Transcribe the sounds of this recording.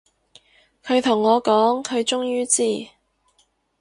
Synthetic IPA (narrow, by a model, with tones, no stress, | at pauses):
kʰɵ˨˧ɥt̪ʰʊ˨˩ŋːɔː˨˧kɔː˨˥ŋkʰɵ˨˧ɥt͡ʃʊ˥ŋjyː˥t͡siː˥˩